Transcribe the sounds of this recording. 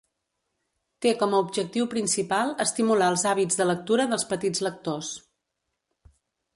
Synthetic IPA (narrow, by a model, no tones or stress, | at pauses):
t̪ekɔməubʒək̚t̪iwpɾinsipalˠəst̪imulaəlˠzaβid͡zðələk̚t̪uɾəðəlˠspət̪id͡zlək̚t̪os